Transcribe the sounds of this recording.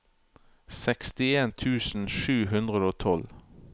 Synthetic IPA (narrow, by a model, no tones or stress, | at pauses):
sɛkst̪ɪeːnt̪ʰʉːsn̩ʃʉːɦʉnd̪ʁəd̪əoːt̪ʰɔl